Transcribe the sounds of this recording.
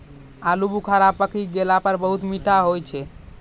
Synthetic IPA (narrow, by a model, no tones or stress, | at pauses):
alubukʰaɾapəkʰiɡelapəɾbəɦut̪miʈaɦojt͡ʃʰɛ